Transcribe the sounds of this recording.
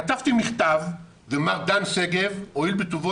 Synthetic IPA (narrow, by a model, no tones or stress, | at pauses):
at̪avt̪imiχt̪av | vemaʁd̪anseɡevoilbet̪uvo